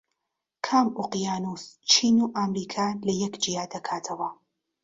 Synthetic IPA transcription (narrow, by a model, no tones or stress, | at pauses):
kʰaːmuqijaːnust͡ʃʰiːnuːʔaːmɾiːkʰaːlɐjɛkd͡ʒijaːd̪ɐkʰaːtʰɐwɐ